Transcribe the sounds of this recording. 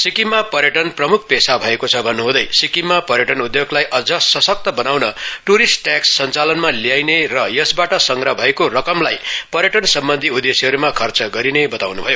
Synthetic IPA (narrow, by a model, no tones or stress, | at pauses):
sikimːapʌɾjʌʈʌnprʌmukʰpesabʱʌekot͡sʰʌbʱʌnːuɦũd̪ʌjsikimːapʌɾjʌʈʌnud̪joɡlajʔʌd͡zʌsʌsʌk̚t̪ʌbʌnawnʌʈuɾisʈʈjaksːʌnt͡salʌnmalijajnerʌjʌsbaʈʌsʌŋɡɾʌbʱʌekorʌkʌmlajpʌɾjʌʈʌnsʌmbʌnd̪ʱiud̪esiɦʌɾumakʰʌrt͡sʌɡʌɾinebʌt̪awnubʱʌjo